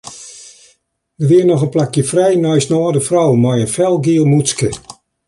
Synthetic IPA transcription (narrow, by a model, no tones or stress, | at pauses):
dəʋɪənɔχənplakjəfrɛjnɔjsnɔːdəfrɔwmɔjənfɛlˠɡiəlˠmut͡skə